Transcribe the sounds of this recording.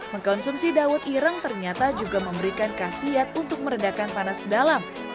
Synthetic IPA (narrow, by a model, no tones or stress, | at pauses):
məŋkɔnsumsidawʊt̪iɾaŋt̪ərɲat̪ad͡ʒuɡaməmbəɾikankasiat̪̚unt̪ʊk̚məɾədakanpanasdalam